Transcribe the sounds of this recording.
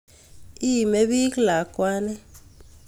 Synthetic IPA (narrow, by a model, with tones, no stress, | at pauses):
i˦˨me˦ɓi˦kla˨kʼwaː˦nɛ˦